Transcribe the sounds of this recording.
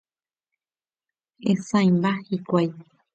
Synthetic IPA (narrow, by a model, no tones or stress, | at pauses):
ẽsãjmbahikʷaj